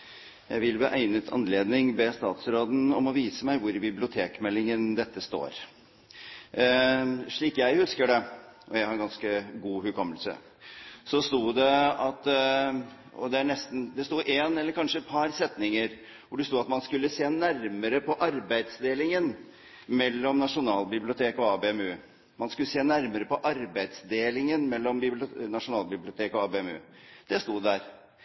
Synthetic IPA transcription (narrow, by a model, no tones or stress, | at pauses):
jæ̰ɪʋɪlbḭːʔæɪnət̪ʰɑ̰nleːd̪nɪŋbɛst̪ɑ̰ːt̪sɾoːd̪n̩ɔmɔʋiːsəmæɪʋʊɾbɪblɪʊt̪ʰeːkmɛlːɪŋənd̪ɛt̪ʰːəst̪o̰ːɾ | ʂɭiːkjæɪhʉskəɖɛʔɔjæɪhɑɾɛɡɑnskəɡuːhʉkʰɔmːəlsə̰ | sɔst̪uːd̪ɛɑt̪ | ɔ̰d̪ɛæɳɛst̪n̩d̪ɛst̪uːʔeːnɛlːəɾkʰɑnʂəɛt̪̚pʰɑɾsɛt̪nɪŋəɾ | ʋʊɖɛst̪uːɑt̪mɑnskʉlːəseːnæɾməɾəpʰɔʔɑɾbæɪd̪sd̪eːlɪŋən | mɛlːɔmnɑʂʊnɑːlbɪblɪʊt̪ʰeːkɔɑːbeːɛmʉː | mɑnskʉlːəseːnæɾməɾəpɔʔɑɾbæɪd̪sd̪eːlɪŋənmɛlːɔmbɪnɑʂʊnɑːlbɪblɪʊt̪ʰeːkɔɑːbeːɛmʉ̰ːd̪̥ɛst̪uːd̪æɾ